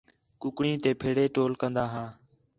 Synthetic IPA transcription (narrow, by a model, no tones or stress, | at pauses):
kʊkɳĩːt̪eːpʰeːɽeːʈoːlkənd̪aːɦãː